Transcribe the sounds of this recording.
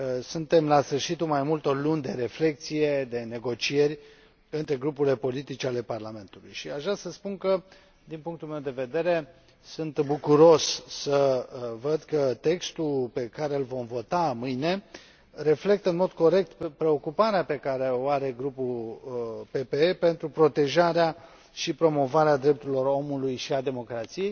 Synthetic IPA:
sunt̪e̞mlasfɨrʃit̪umajmult̪o̞rlunʲd̪e̞ɾe̞fle̞k̚t̪sije̞d̪e̞ne̞ɡo̞t͡ʃije̞rʲ | ɨnt̪ɾe̞ɡɾupuɾile̞po̞lit̪it͡ʃeale̞parlame̞nt̪ulujʃiaʒɾasəspunkə | d̪inpuŋk̚t̪ulmewd̪e̞ve̞d̪e̞ɾe̞ | sunt̪bukuɾo̞ʃʲsəvəd̪kət̪e̞kst̪ulpe̞kaɾe̞ɨlvo̞mvo̞t̪amɨjne̞ | ɾe̞fle̞k̚t̪ənmo̞d̪ko̞ɾe̞k̚t̪pɾe̞o̞kupaɾeape̞kaɾeo̞aɾe̞ɡɾupul | pe̞peepe̞nt̪ɾupɾo̞t̪e̞ʒaɾea | ʃipɾo̞mo̞vaɾead̪ɾep̚t̪uɾilo̞ɾo̞mulujʃiad̪e̞mo̞kɾat̪sije̞j

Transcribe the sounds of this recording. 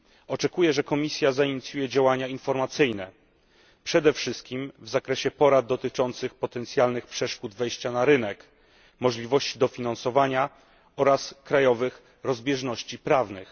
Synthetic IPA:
ɔt͡ʂɛkujɛʐɛkɔmʲisʲjazaiɲit̪sʲjujɛd͡ʑawaɲainfɔɾmat̪sɘjnɛ | pʂɛd̪ɛfʂɘst̪̚kʲimvzakɾɛɕɛpɔɾad̪̚d̪ːɔt̪ɘt͡ʂɔnt̪sɘxpɔt̪ɛnt̪sʲjalnɘxpʂɛʂkud̪vɛjɕt͡ɕanaɾɘnɛk | mɔʐlʲivɔɕt͡ɕid̪ɔfʲinansɔvaɲa | ɔɾaskɾajɔvɘx | ɾɔzbʲjɛʐnɔɕt͡ɕipɾavnɘx

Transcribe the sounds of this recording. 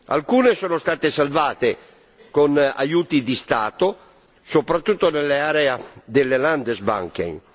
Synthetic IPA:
a̰lkuːnesɔːnost̪aːt̪esalvaːt̪e | kona̰juːt̪id̪ist̪aːt̪o | sopɾat̪ːut̪ːonelːeaːɾɛad̪elːeland̪ezba̰ŋk̟ḛŋ

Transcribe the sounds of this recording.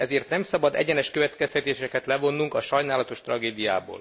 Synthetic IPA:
ɛzeːrt̪nɛmsɒbɒd̪ɛ̰ɟɛnɛʃkøvɛt̪kɛst̪ɛt̪eːʃɛkɛt̪lɛvo̞nːuŋkɒʃɒjnaːlɒt̪o̞ʃt̪rɒɡeːd̪ija̰ːbo̰ːl

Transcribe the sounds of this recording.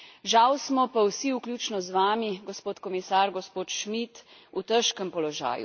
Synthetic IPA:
ʒawsmɔpawsiuklʲjuːt͡ʃnɔzʋaːmiɡɔspoːt̪kɔmisaːɾɡɔspoːt̪ʃmit̪ut̪əʃkəmpɔlɔʒa̰ːjṵ

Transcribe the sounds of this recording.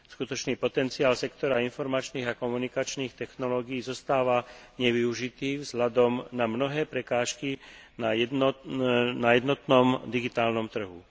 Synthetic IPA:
skut̪ɔt͡ʃniːpɔt̪ɛnt͡siaːlsɛkt̪ɔɾainfɔɾmat͡ʃniːɣakɔmunikat͡ʃniːxt̪ɛxnɔlɔːɡijːzɔst̪aːʋaɲɛʋiuʒit̪iːvzɦlad̪ɔmnamnɔɦɛːpɾɛkaːʃkina | najɛd̪nɔt̪nɔmd̪iɡit̪aːlnɔmt̪r̩ɦṵ

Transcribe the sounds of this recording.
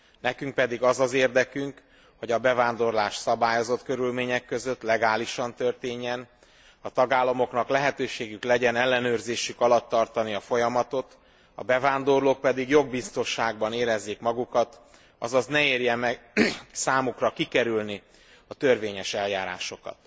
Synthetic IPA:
nɛkyŋk̚pɛd̪iɡɒzɒzeːrd̪ɛkyŋk | ho̞ɟɒbɛvaːnd̪o̞rlaːʃsɒbaːjo̞zo̞t̪kø̞ɾylmeːɲɛkːø̞zøt̪lɛɡaːliʃɒnt̪ø̞rt̪eːɲːɛn | ɒt̪ɒɡaːlːɒmo̞knɒklɛɦɛt̪øːʃeːɡyklɛɟɛnɛlːɛnøːrzeːʃykɒlɒt̪ːɒrt̪ɒniɒfo̞jɒmɒt̪o̞t̪ | ɒ̰bɛvaːnd̪o̞rloːk̚pɛd̪iɡjoɡ̚bist̪o̞nʃaːɡ̚bɒneːɾɛzːeːkmɒɡukɒt̪ | ɒ̰zɒznɛeːrjɛmɛɡsaːmukrɒkikɛɾylni | ɒt̪ørveːɲɛʃɛljaːɾa̰ːʃo̞kɒ̰t̪

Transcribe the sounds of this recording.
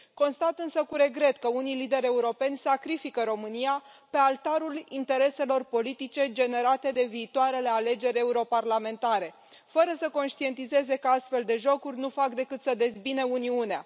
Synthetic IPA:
ko̞nst̪at̪ɨnsəkuɾe̞ɡɾe̞t̪kəunijlid̪e̞ɾʲe̞uɾo̞pe̞nʲsakɾifikəɾo̞mɨnijape̞alt̪aɾulint̪e̞ɾe̞se̞lo̞rpo̞lit̪it͡ʃe̞d͡ʒe̞ne̞ɾat̪e̞d̪e̞viːt̪oaɾe̞le̞ale̞d͡ʒe̞ɾʲe̞uɾo̞parlame̞nt̪aɾe̞ | fəɾəsəko̞nʃt̪ie̞nt̪ize̞ze̞kəast̪fe̞ld̪e̞ʒo̞kurʲnufakd̪e̞kɨt̪səd̪e̞zbinəuniunea̰

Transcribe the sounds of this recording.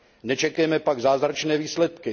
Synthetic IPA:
nɛt͡ʃɛkjɛmɛpaɡzaːzɾat͡ʃnɛːviːslɛt̪kɪ

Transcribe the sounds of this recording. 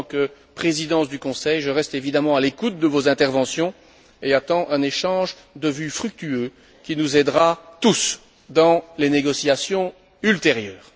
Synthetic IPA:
kə | pχezid̪ɑ̃sd̪ykɔ̃sɛjʒəʁɛst̪evid̪amɑ̃alekut̪̚d̪əvozɛ̃t̪ɛʁvɑ̃sjɔ̃ | eat̪ɑ̃ʔɛ̃neʃɑ̃ʒ | d̪əvyfχyk̚t̪yø | kʲinuzɛd̪ʁat̪us | d̪ɑ̃leneɡɔsijasjɔ̃ | ylt̪eʁjœːʁ

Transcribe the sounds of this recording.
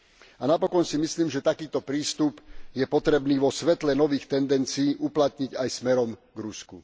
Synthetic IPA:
anapɔkɔnsimisliːmʒɛt̪akiːt̪ɔpɾiːst̪upjɛpɔt̪ɾɛbniːʋɔsʋɛt̪lɛnɔʋiːxt̪ɛnd̪ɛnt͡siːʔuplat̪ɲiɟajsmɛɾɔmɡɾuskṵ

